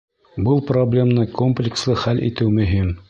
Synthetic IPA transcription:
bɤlˠproblʲemnɤkʰomplʲɪkslˠɤχælʔḭt̪ɘwmɵ̆ɦim

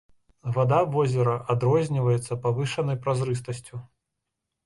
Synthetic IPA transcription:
vad̪avɔzʲɛɾɐʔad̪ɾɔzʲnʲivɐjɛt̪sːɐpavɨʂɐnɐjpɾazɾɨs̬t̪ɐsʲt͡sʲu

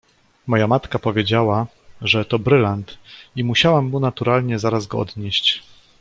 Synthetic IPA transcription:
mɔjamat̪kapɔvʲjed͡ʑawa | ʐɛt̪ɔbɾɘlant̪imuɕawamːunat̪uɾalɲɛzaɾazɡɔɔ̰d̪ɲɛɕt͡ɕ

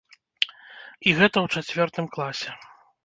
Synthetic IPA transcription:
iɣɛt̪ɐwt͡ʂat͡sʲvʲɔrt̪ɨmklˠasʲɛ

